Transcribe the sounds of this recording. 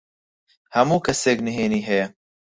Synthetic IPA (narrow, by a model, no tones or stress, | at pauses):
hɐmuːkʰɐseːknɨɦeːniːɦɛjɛ